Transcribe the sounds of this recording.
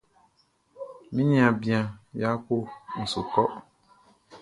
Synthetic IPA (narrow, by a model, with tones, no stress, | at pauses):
mĩ˦nĩ˦a˨bi˨ã˨ja˦ko˦n̩˨su˨kɔ˦